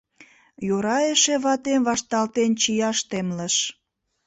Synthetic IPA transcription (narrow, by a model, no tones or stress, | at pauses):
joɾɑjeʃeβɑt̪emβɑʃt̪ɑlt̪ent͡ɕijɑʃt̪emləʃ